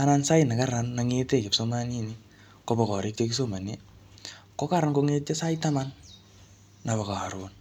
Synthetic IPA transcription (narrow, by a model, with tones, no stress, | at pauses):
ana˧nsa˦ina˨ka˦ɾanːaŋete˦ke˨psoma˦ni˦ni | kobɔ˨kɔ˨ɾɪ˦k̚ekis̬oma˨ne | kɔ˦ka˦ɾankoŋe˦t̚t͡ʃe˦sa˦ita˦manː | a˨βa˨ka˨a˨ɾwon